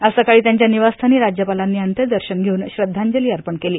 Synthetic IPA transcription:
əsəkaɭiːt̪jaɲt͡ɕjaniʋast̪ʰaniːɾad͡ʑjəpalanːiːənt̪əɾd̪əɾɕənɡʱeuːnɕɾəd̪ʱːaɲd͡ʑəliːəɾpəɳkeliː

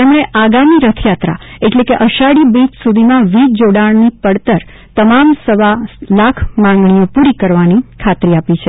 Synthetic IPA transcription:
t̪emɽ̃eʔaɡamiɾət̪ʰjat̪ɾa̰eʈlekeʔəʃaɽibid͡ʒsud̪ʱimãʋid͡ʒd͡ʒoɽaɳnipəɽt̪əɾ | t̪əmamsəʋalakʰmãŋɡɳ̃ijopuɾikəɾʋanikʰat̪ɾiapit͡ʃʰe

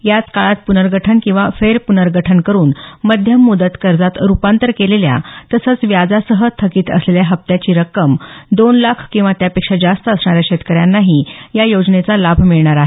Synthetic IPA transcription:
jat͡skaɭat̪̚punəɾɡʱəʈʰənkĩw̃ʋafeɾpunəɾɡʱəʈʰənkəɾuːnməd̪ʱjəmːud̪ət̪kəɾd͡zat̪ɾupant̪əɾkelelja̰t̪əsət͡sʋjad͡zasəɦət̪ʰəkiːt̪ə̰sleljaɦəp̚t̪jat͡ɕiːɾəkəmd̪onlakʰkĩw̃ʋat̪japekʂad͡zast̪əəsɳ̃aɾjaɕet̪kəɾjanːaɦijajod͡ʑnet͡salabʱmiɭɳaɾaɦe

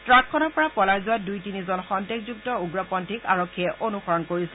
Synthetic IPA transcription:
tɹakʰːɔnɔɹpɔɹapɔlaɹzʊwadujtinizɔnxɔntekzuktɔuɡɹɔpɔntika̰ɹɔkʰːiɛʔʔonuxɔɹɔnkoɹisɛ

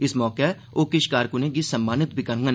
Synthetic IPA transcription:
ɪsmɔːke | oːkɪʃkaːɾkunek̬isɐmːaːnɪt̪̚bʱɪkɐɾ̃ŋɡɐn

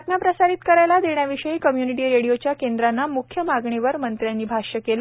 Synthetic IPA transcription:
k̪ɳjapɾəsaɾit̪kəɾajlad̪eɳjaʋiʂəikəmjuniʈiːɾeɽijot͡ɕjakend̪ɾanːamukʰjəmaɡɳeʋəɾmənt̪ɾjanːiːbʱaɕəkela

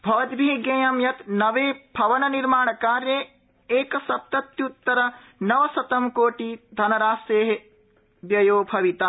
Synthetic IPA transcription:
bʱɐʋɐd̪bʱiɡẽːjɐmjɐt̪nɐʋeːbʱɐʋɐnɐniɾmaːɳɐkaːɾjeː | eːkɐsɐb̚t̪ɐt̪jut̪ːɐɾɐ | nɐʋɐsɐt̪ɐmkoːʈid̪ʱɐnɐɾaːseːɦe | bjɐjoːbʱɐʋit̪aː

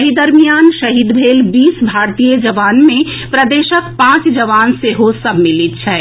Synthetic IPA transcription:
ɦid̪əɾmijaːnʃəɦid̪bʱeːlbiːsbʱaːɾt̪ijəd͡ʒəʋaːnmẽpɾəd̪eːʃək̚pãːt͡ʃd͡ʒəʋaːnseɦosəbʱmilit̪̚t͡ʃʰɛ

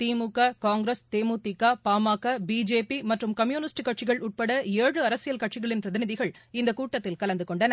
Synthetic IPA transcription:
t̪iːmukːakaːŋɡɾɐst̪eːmuːt̪ːɪkːaːpaːmaːkːabiːd͡ʒeːpimɐʈrɯmkɐmjuːnɪsʈɯkːɐʈ̚t͡ʃɪɣɐɭʊʈ̚pɐɽɐeːɻɯɐɾɐsɪjɐlkɐʈt͡ʃɪɣɐɭɪnpɾɐðɪnɪðɪɣɐɭɪnd̪ɐkuːʈːɐt̪ːɪlkɐlɐnd̪ɯkɔɳɖɐnɐ

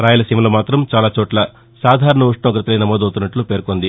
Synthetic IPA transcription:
ɾaːjɐlɐsimɐloːmaːt̪ɾɐmt͡ʃaːlaːt͡ʃɔːʈlɐ | saːd̪ʱaːɾɐɳɐuʂʈɳɐ̃ːkɾɐt̪ɐlɐjnɐmɔːd̪ɐwt̪unːɐʈlupeːɾkond̪i

